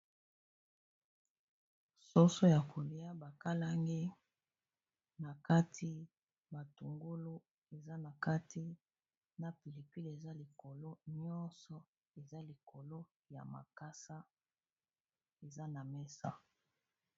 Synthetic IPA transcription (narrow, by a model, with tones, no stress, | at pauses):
so˦so˦ja˨ko˨li˦a˦ba˨ka˦la˦ŋɡe˦ | na˨ka˦tʰi˦ | ba˨tu˨ŋɡo˦lu˦ | e˨za˦na˨ka˦ti˦ | na˨pi˨li˨pi˦le˨za˦li˨ko˨lo˦ɲɔ˦nsɔ˨ | e˨za˦li˨ko˨lo˦ | ja̰˨ma̰˨ka˦sa˦ | e˨za˦na˨mɛ˦sa̰˦